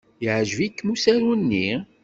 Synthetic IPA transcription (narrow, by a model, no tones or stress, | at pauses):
jʕʒvikːmusæɾunːi